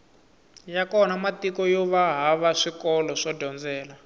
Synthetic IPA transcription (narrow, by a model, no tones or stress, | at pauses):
jakɔnamatikɔjɔβaɦaβaʂikɔlɔʂɔdʱɔnd͡zɛːla